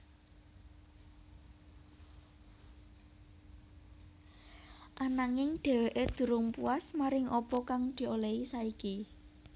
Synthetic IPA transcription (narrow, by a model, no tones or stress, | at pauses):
ʔanaŋɪŋɖ̪̥e̤weʔed̪̥ṳɾʊŋpuasmaɾɪŋʔɔpɔkaŋd̪̥i̤oleisaiki